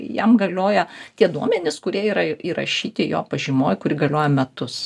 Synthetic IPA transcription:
jɛmɡɐlʲoːjɛt̪ʲiɛd̪uɔmʲɛnʲɪskʊɾʲiɛiːɾɐiːɾɐ̰ʃʲiːt̪ʲɪjo̰ːpɐʒʲɪmoːjkʊɾʲɪɡɐlʲoːjɛmʲɛt̪ʊs

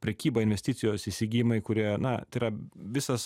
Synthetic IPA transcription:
pʲɾʲɛkʲiːbɐɪnʲʋʲɛsʲt̪ʲɪt̪sʲɪjoːsiːsʲɪɡʲiːjɪmɐɪkʊɾʲiɛnɐt̪ɐɪɾɐʋʲɪsɐs

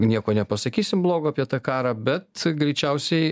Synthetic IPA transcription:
nʲiɛkoːnʲɛpɐsɐkʲiːsʲɪmblˠoːɡoːɐpʲiɛt̪ɑːkɑːɾɑːbʲɛt̪ɡɾʲɛɪt͡ʃʲɛʊsʲɛɪ

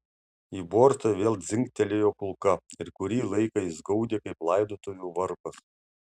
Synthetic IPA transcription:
iːboːɾt̪ɐʋʲeːlˠd̪zʲɪŋʲkt̪ʲɛlʲeːjoːkʊlˠkɐɪɾkʊɾʲiːlˠɐɪkɐɪzɡɔʊd̪ʲeːkɐɪplˠɐɪd̪oːt̪oːjuːʋɐɾpɐs

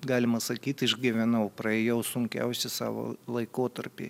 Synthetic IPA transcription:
ɡɑːlʲɪmɐsɐkʲiːt̪ʲɪʒɡʲɛʋʲɛnɐʊpɾɐeːjɛʊsʊŋʲkʲɛ̰ʊsʲɪsɑ̰ːʋo̰ːlˠɐɪkoːt̪ɐɾʲpʲḭ

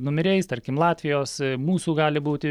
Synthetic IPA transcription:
nʊmʲɛɾʲɛɪst̪ɐɾʲkʲɪmlˠɑːt̪ʲʋʲɪjoːsmuːsuːɡɑːlʲɪbuːt̪ʲɪ

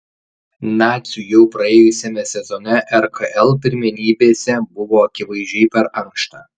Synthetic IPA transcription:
nɑːt̪sʲujɛʊpɾɐeːjʊsʲɛmʲɛsʲɛzɔnʲɛʔɛɾkɐʔɛlˠpʲɪɾʲmʲɪnʲiːbʲeːsʲɛbʊʋoːɐkʲɪʋɐɪʒʲd͡ʒʲɛɪpʲɛɾɐŋkʃt̪ɑː

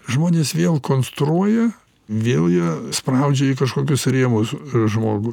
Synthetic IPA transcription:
ʒmoːnʲeːsʋʲeːlˠkoːnst̪ɾuɔjɛ | ʋʲeːlˠjispɾɐʊd͡ʒʲɛikɐʃkoːkʲʊsɾʲeːmosʒmoːɡʊ

